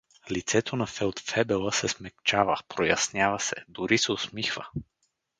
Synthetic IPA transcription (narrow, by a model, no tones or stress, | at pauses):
lit̪sɛt̪onɐfɛlˠt̪fɛbɛlˠəsɛsmɛk̚t͡ʃavəpɾojɐsnʲjavəsɛ̰d̪ʊɾisɛosmixvə̰